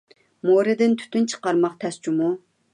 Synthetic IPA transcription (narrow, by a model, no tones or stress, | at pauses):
moɾɨd̪ɪnt̪ʰy̥t̪ynt͡ʃʰə̥qɑɾmɑqt̪ʰɛst͡ʃʰumu